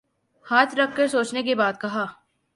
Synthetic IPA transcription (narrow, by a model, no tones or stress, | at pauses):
haːt̪ʰɾɐkʰːɐɾsoːt͡ʃnek̬ebaːd̪̚kɐɦaː